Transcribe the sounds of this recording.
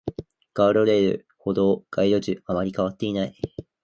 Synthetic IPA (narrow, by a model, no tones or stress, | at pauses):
ɡ̥aɾoɾe̞ːɾɯ̟̰ | ho̞d̪o̞ːɡ̥aid̪o̞ʑɨamaɾʲikaβ̞at̪ːe̞inai